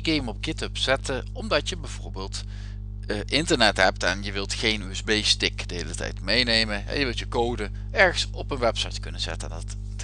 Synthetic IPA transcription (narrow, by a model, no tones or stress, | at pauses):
ɡejmɔp̚ɡɪtəpsɛtə | ɔmdɑtjəbɛjv̥oːɹbeːlˠt | ʔɪntəɹnɛtɦɛp̚tɛnjəʋɪlˠtχejnyɛzbejstɪkd̥əɦeːlətɛ̰jtmejnejmənɦɛ̰njəʋɪlˠjəkowdə | ɛɹχənsɔpənʋɛpsɑjtkɵnənz̥ɛ̰tə̰ndɑt